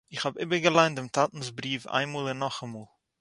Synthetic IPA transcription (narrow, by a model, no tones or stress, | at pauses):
ɪχhabɪbəɡəlˠaɪntɪmtʰatn̩sbɾiːfa̰ɪnmuːlˠɪnːɔχamuːlˠ